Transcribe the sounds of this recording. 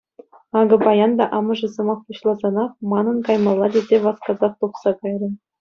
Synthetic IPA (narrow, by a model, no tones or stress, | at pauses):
ɑɡɤ̆bɑjɑnd̪ɑʔɑmɤ̆ʐɤ̆zɤ̆mɑχpuɕlˠɑzɑnɑχmɑnɤ̆nkɑjmɑlˠːɑdʲezʲeʋɑskɑzɑχt̪uχsɑkɑjrɤ̆